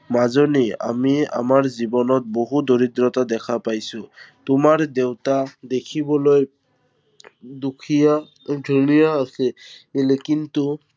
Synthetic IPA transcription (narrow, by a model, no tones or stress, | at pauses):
mazonia̰mia̰maɹzibɔnɔt̪̚boɦud̪oɹid̪ɹɔtad̪ɛkʰapajsʊt̪ʊmaɹd̪ewtad̪ekʰibɔloj | d̪ukʰija | dʱunijaːsɛelekint̪u